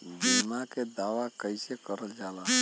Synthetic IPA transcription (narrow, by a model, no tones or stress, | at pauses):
bimaked̪aʋakəjsekəɾəld͡ʒala